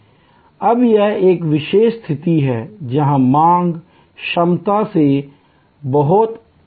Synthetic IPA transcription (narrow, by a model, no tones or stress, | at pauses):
ɐbjeeːkʋɪʃeːʃst̪ʰɪt̪iɦɛːd͡ʒɐɦãmãːŋɡ | ʃɐmt̪ase | bɐɦʊt̪